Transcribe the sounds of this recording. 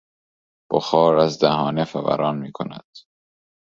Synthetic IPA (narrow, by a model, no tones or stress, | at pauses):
b̥oxɒːɾæzd̪æɦɒːnefævæ̰ɾɒːnmiːkʰonæ̰d̪̥